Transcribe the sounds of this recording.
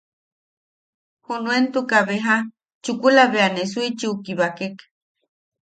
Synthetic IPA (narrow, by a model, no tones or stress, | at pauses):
hunuent̪ukaβeɦa | t͡ʃukulaβeanes̬uit͡ʃiukiβakek